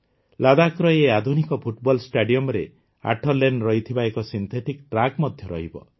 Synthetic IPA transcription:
lad̪akɾɔjead̪ʱunikɔpʰuʈbɔlsʈaɖijɔmɾe | a̰ʈʰɔlenɾɔɦit̪ʰibaekɔsint̪ʰeʈikʈɾaɡmɔd̪ʱjɔɾɔ̰ɦibɔ̰

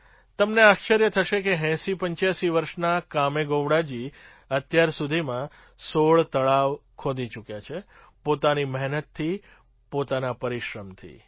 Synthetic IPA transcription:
t̪əmneaʃt͡ʃəɾjət̪ʰəʃekeɦɛ̃sipəɲt͡ʃjasiʋəɾʃnakameɡoʋɽad͡ʒi | ət̪jaɾsud̪ʱimã | soɭt̪əɭaʋkʰod̪ʱit͡ʃukjat͡ʃʰe | pot̪animəɦnət̪ʰːi | pot̪anapəɾiʃɾəmt̪ʰḭ

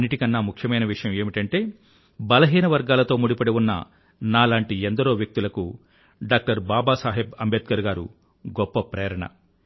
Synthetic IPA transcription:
ɐnːiʈikɐnːaːmukʰjɐmɐjnɐʋiʂɐjɐme̞ːmiʈɐɳʈe̞ː | bɐlɐɦiːnɐʋɐɾɡaːlɐt̪o̞ːmuɽipɐɽewunːɐ̰ | naːlaːɳʈiɛnd̪ɐɾo̞ːʋjɐk̚t̪ulɐku | ɖaːk̚ʈɐɾbaːbaːsaːɦebɐmbet̪̚kɐɾɡaːɾṵ | ɡɔpːɐpɾeːɾɐɳɐ̰

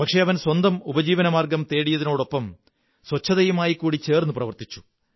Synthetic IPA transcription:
pɐkʂe̞ɐʋɐnswɐnd̪ɐmubɐd͡ʑiːʋɐnɐmaːrɡɐmt̪e̞ːɽijɐðinoːɽo̞pːɐm | swɐt͡ɕʰːɐðɐjumaːjikːuːɽit͡ɕe̞ːrnːuprɐʋɐrt̪it͡ɕːu̥

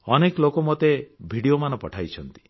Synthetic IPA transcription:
ɔneklokɔmot̪ebʱiɽiomanɔpɔʈʰajt͡ʃʰɔnt̪i̥

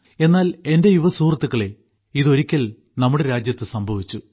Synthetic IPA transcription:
e̞nːaːle̞nde̞juʋɐsuːrɐt̪ːukːɐɭe̞ | iðo̞ɾikʲːɐl | nɐmːuɽe̞ɾaːd͡ʑjɐt̪ːɨsɐmbʱɐʋit͡ɕːu

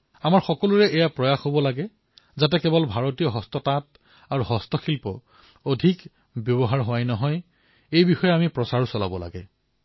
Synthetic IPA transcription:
amaɹxɔkɔluɹɛʔɛjapɹɔjaxhobɔlaɡɛ | zat̬ɛkɛbɔlbʱaɹotijɔɦɔstɔtat | aɹuɦɔstɔxilpɔ | odʱik | bjɔbɔɦaɹɦʊwajnɔɦɔj | ejbixɔjɛamipɹɔsaɹusɔla̰bɔla̰ɡɛ

